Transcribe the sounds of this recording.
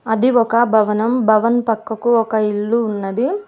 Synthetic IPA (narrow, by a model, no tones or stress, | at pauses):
ɐd̪iɔkɐbʱɐʋɐnɐmbʱɐʋɐnpɐkːɐkuɔkɐiɭːuːnːɐd̪i